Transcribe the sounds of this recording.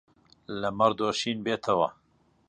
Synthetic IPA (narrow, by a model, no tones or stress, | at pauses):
lɐmɐɾd̪oːʃiːnbeːt̪ʰɐwɐ